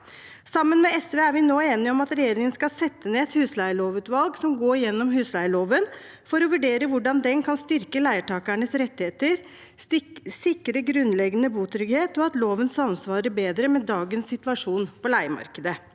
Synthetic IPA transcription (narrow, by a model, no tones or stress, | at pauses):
sɑmːənmɛɛsʋeːæɾʋɪnoːeːnɪɔmɑt̪ɾɛjeːɾɪŋənskɑsɛt̪ːəneːɛt̪hʉːslæɪəɭoːʋʉːt̪ʋɑlɡsɔmɡoːjɛnːɔmɦʉːslæɪəɭoːʋən | fɔɾɔʋʉɖeːɾəʋʊɖɑnd̪ɛnkʰɑnst̪ʏɾkəlæɪəʈʰɑːkæɳəsɾɛt̪ːɪheːt̪əɾ | sɪkɾəɡɾʉnːlɛɡːənəbuːt̪ʰɾʏɡheːt̪ɔɑt̪loːʋənsɑnsʋɑːɾəbeːd̪ɾəmɛd̪ɑːɡənsːɪt̪ʋɑʂuːnpɔlæɪmɑ̰ɾkəd̪ə